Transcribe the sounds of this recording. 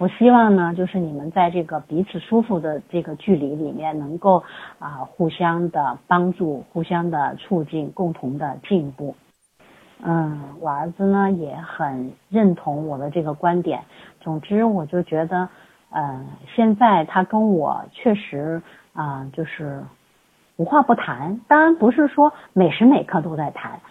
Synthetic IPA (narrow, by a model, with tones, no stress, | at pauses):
wɔ˨˩ɕi˥wɑ˥˩ŋnə˩t͡ɕjʊʂɻ̩˥˩ni˨˩mə˦nt͡sa˥˧ɪʈ͡ʂɤ˥˩ɡə˩pi˧˥t͡sʰɹ̩˨˩ʂu˥fu˥˧d̪ə˩ʈ͡ʂɤ˥˩ɡə˩t͡ɕy˥˩li˧˥li˨˩mjɛ˥˩nnɤ˧˥ŋko˥˩ʊə˧xu˥˩ɕjɑ˥ŋd̪ə˨˩pɑ˥ŋʈ͡ʂu˥˩xu˥˩ɕjɑ˥ŋd̪ə˨t͡sʰu˥˧t͡ɕi˥˧nkʊ˥˩ŋt̪ʰʊ˧˥ŋd̪ə˧t͡ɕi˥˧npu˥˩ | n̩˥˩wɔ˨˩ə˞˧˥d͡zɹ̩˧nə˩jɛ˧˥xə˨˩nɻə˥˩nt̪ʰʊ˧˥ŋwɔ˨˩d̪ə˦ʈ͡ʂɤ˥˩ɡə˩kwa˥nt̪jɛ̰˨˩˦nt͡sʊ˨˩ŋʈ͡ʂɻ̩˥wɔ˨˩t͡ɕjo˥˩ʊt͡ɕɥɛ˧˥d̪ə˧ | ə˧ɕjɛ˥˧nt͡sa˥˩ɪt̪ʰa˥kə˥nwɔ̰˨˩t͡ɕʰɥɛ˥˩ʂɻ̩˧˥ | ə˧t͡ɕjo˥˧ʊʂɻ̩˥˩ | u˧˥xwa˥˧pu˥˩t̪ʰa˧˥nt̪ɑ˥ŋɻa˧˥npu˧˥ʂɻ̩˥˩ʂwɔ˥me˨˩ɪʂɻ̩˧˥me˨˩ɪkʰɤ˥˧t̪o˥ʊt͡sa˥˩ɪt̪ʰa̰˧˥n